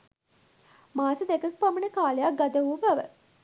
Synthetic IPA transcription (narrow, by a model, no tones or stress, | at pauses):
maːsəd̪ekəkəpamənəkaːlejak̚ɡad̪əʋubaʋə̰